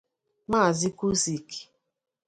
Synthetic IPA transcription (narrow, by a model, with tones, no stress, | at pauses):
ma˦˨zi˦ku˦si˨ki̥˨